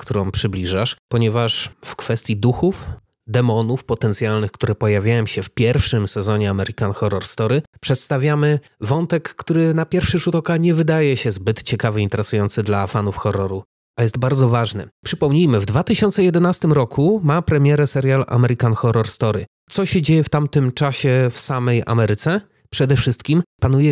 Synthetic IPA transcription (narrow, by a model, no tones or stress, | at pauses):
kt̪uɾɔ̃w̃pʂɘblʲiʐaʂpɔɲɛvaʂfkfɛst̪ʲjid̪uxuf | d̪ɛmɔnufpɔt̪ɛnt̪sʲjalnɘxkt̪uɾɛpɔjavʲjajɔmɕɛfpʲjɛɾfʂɘmsɛzɔɲɛamɛɾikanxɔɾɔɾst̪ɔɾɘpʂɛt̪st̪avʲjamɘ | vɔnt̪ɛkːt̪uɾɘnapʲjɛɾfʂɘʂut̪ɔkaɲɛvɘd̪ajɛɕɛzbɘt̪t͡ɕɛkavɘint̪ɛɾɛsujɔnt̪sɘd̪lafanufxɔɾːɔɾu | ajɛst̪̚baɾd̪zɔvaʐnɛ̰pʂɘpɔmɲijmɘvd̪vat̪ɘɕɔnt̪sɛjɛd̪ɛnast̪ɘmɾɔkʰumapɾɛmʲjɛɾɛsɛɾjala̰mɛɾɘkanxɔɾɔɾst̪ɔɾɘ | t̪sɔɕɛd͡ʑejɛft̪amt̪ɘmt͡ʂaɕɛfsamɛjʔa̰mɛɾɘt̪sɛ | pʂɛd̪ɛfʂɘst̪kʲimpanujɛ